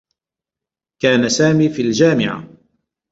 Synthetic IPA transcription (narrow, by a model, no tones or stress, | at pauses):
kaːnasaːmiːfiːld͡ʒaːmɪʕa̰